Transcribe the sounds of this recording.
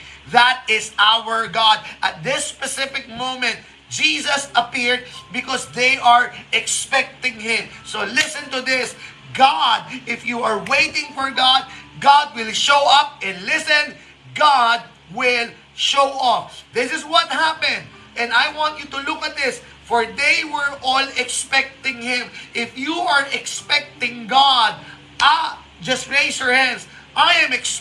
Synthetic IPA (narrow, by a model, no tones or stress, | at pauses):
ðæt̪̚ɪsawəɹɡɑd̪̚ʔɐt̪̚ðɪspɛsɪfɪk̚mõmɛ̃nt̪̚ | d͡ʒisɐsɐpɪɹd̪̚bɪkɔsðejʔaɹɛkspɛk̚t̪ɪ̃ŋhɪ̃msolɪsɨ̃nt̪ʊðɪs | ɡɑd̪̚ɪfjuaɹweɪt̪ɪ̃ŋfɔɹɡɑd̪̚ɡɑd̪̚wɪlʃoʊʌp̚ɛ̃nlɪsɛ̃n | ɡad̪̚ | wɪl | ʃowʔʌfðɪsɪswɔt̪̚hæpɛ̃nd̪ | ɛ̃nd̪ajwɑ̃nt̪t͡ʃut̪ʊlʊkɐt̪̚d̪ɪs | fɔɹd̪ejwɛɹɔlɛkspɛk̚t̪ɪ̃ŋhɪ̃mʔɪfjuʔaɹʔɛkspɛk̚t̪ɪ̃ŋɡad̪̚ | ʔa | d͡ʒɐstɹeɪsjɔɹhæ̃nds | ʔajɛ̃mɛks